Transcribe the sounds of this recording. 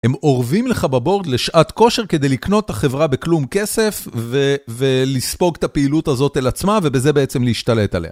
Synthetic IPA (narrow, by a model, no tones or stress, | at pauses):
hemo̞ʁvimleχababo̞ʁd̪leʃʔat̪ko̞ʃe̞ʁke̞d̪e̞jlikno̞t̪ːaχe̞vʁabeklumke̞se̞fvevelispo̞ɡt̪apeilut̪azo̞t̪elat͡smave̞beze̞beet͡semleiʃtale̞t̪a̰le̞ha̰